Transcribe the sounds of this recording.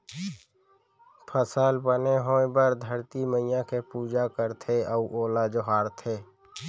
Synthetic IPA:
pʰəsəlbəneɦoːebəɾd̪ʱəɾt̪iməɪjãkepuːd͡ʒakəɾt̪ʰeəuʔoːlad͡ʒoɦaːɾt̪ʰeː

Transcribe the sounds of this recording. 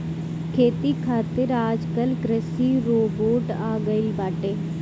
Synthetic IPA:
kʰeːt̪iːkʰaːt̪ɪɾaːd͡ʒkəlkɾəsiːɾoːboːʈaːɡəɪlbaːʈeː

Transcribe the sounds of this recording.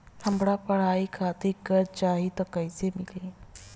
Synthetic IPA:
t̪ʰəmbɽapəɽ̤aikʰat̪iɾkəɾt͡ɕaɦiːt̪əkajt͡semile

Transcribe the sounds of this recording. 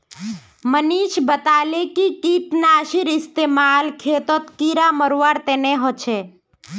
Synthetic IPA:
məniʃbət̪alekikit̪naːʃiɾɪst̪eːmaːlkʰeːt̪ot̪kiɾaməɾʋaɾt̪eneɦot͡ʃʰe

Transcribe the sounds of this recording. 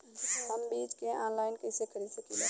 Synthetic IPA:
ɦɐmbiːd͡ʒkeʔãːnlaːɪnkɐɪsekʰɐɾisɐkila

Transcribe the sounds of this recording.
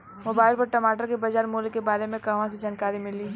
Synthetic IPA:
mʊbaːɪlpɐɾʈɐmaːʈəɾkebɐd͡ʒaːɾmuːlkebaːɾemẽkɐʋãs̬ed͡ʒaːnkaːɾimɪliː

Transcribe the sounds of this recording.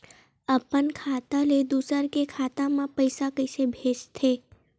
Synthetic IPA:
əpənkʰat̪aled̪usəɾkekʰat̪amãpəjsakəjsebʱeʃt̪ʰe

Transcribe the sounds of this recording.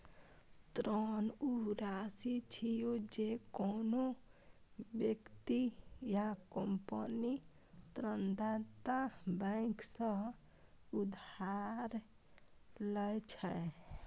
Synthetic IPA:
t̪ɾɔnuɾasit͡ʃʰijod͡ʒekono | bjekt̪ijakəmpəni | t̪ɾənd̪at̪abə̃ɪksə̃ | ud̪ʱaɾ | ləjt͡ʃʰɛ

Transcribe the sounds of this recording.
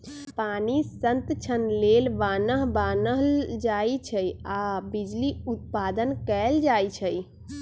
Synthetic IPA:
panisənt̪t͡ʃʰənlelʋanəɦbanəɦld͡ʒait͡ʃʰəjabid͡ʒliut̪̚pad̪ənkɛld͡ʒajt͡ʃʰəj

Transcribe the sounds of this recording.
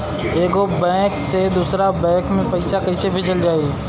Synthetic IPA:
eːɡobɛ̃ːksed̪usɾabɛ̃ːkmẽpɐɪsakɐɪsebʱɪd͡ʒəld͡ʒaːe

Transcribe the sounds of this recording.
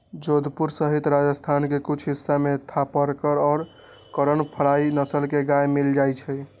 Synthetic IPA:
d͡ʒod̪puɾsəɦit̪ɾad͡ʒəst̪ʰankekut͡ʃʰɦisːamet̪ʰapəɾkəɾɔːɾ | kəɾənpʰəɽainəsəlkeɡajmild͡ʒajt͡ʃʰɛ

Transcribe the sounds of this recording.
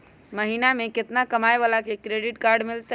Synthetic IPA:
məɦinameket̪nakəmaebalakekɾeɖiʈkaɾɖmelt̪ə

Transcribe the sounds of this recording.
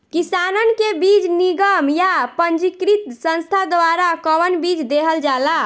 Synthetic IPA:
kisanənkebid͡ʒniɡəmjapənd͡ʒikɾit̪sə̃nst̪ʰad̪ʋaɾakəwənbid͡ʒd̪eɦəld͡ʒala

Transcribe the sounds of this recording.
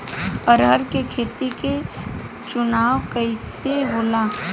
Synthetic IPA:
əɾɦəɾkekʰeːt̪ike | t͡ʃʊnaːwkəɪseɦoːlaː

